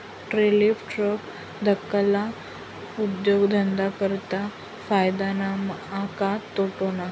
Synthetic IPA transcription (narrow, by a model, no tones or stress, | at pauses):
ʈɾelifʈɾok | d̪ʱəkːəla | ud̪joɡd̪ʱənd̪akəɾt̪a | fajd̪anamakat̪ːoʈona